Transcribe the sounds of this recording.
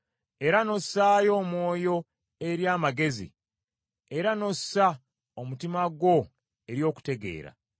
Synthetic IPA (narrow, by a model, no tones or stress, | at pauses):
e̞ɾano̞saːjo̞ːmwo̞ːjo̞ | e̞ɾjaːmaɡe̞zḭ | e̞ɾano̞sa | omutimaɡwo̞ | e̞ɾjo̞ːku̥te̞ɡe̞̰ːɾa̰